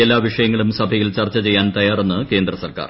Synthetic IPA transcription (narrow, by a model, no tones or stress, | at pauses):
elːaːʋiʂɐjɐŋːɐɭumsɐbʱɐjilt͡ɕɐrt͡ɕːɐt͡ɕe̞jːaːnt̪ɐjaːrenːɨke̞ːnd̪rɐsɐrka̰ːr